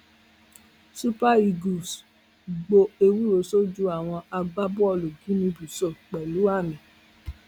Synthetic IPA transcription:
su˦pa˦i˧ɡu˨s | ɡ͡bo˧e˧wu˦ɾo˨˦so˦d͡ʒu˦a˦˨w̃ɔ̃˧a˧ɡ͡ba˦bu˦ɔ˧˨lo˨ɡi˨˦mĩ˧bu˨sɔ˨k͡pɛ˨lu˨˦a˦˨mĩ˨

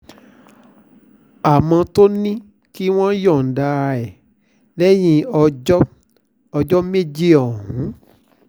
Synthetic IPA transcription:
a˨mã˧to˦nĩ˦ | ki˦w̃ɔ̃˦jɔ˦˨n̩˨da˧ɛ˨ | lɛ˦j̃ĩ˧ɔ˧d͡ʒɔ˦ | ɔ˧d͡ʒɔ˦me˦di˦ɔ˨ɦũ˨˦

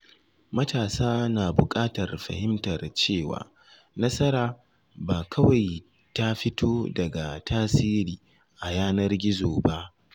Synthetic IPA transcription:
mɐ˦taː˨saː˦naː˨bʊ˨kʼaː˦tɐ˨rɸɐ̰˨hɪ˦mtɐ˨rt͡ʃeː˦˨wa̰ː˨ | nɐ˦sɐ˦ɾaː˨ | baː˨kʰɐ˦wa˨j | ta˦ɸɪ˦tʰoː˦dɐ˨ɡa˨tʰaː˦siː˦ɾiː˨ | ʔa˨jaː˦nɐ˦rɡʲɪ˦zoː˨ba˦ʔ

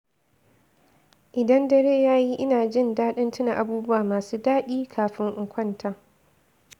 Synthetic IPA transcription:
ʔɪ˨dɐ˦ndɐ˦ɾeː˦jaː˦ji˦ʔɪ˦naː˨d͡ʒɪ˦˨ndaː˦ɗɪ˦ntɪ˦na˨ʔa˨buː˦bʊ˦waː˨maː˨suː˦daː˦ɗiː˦kʰaː˨ɸɪ˦ŋʔɪ˨ŋkʷʰɐ˦ntʰa˨

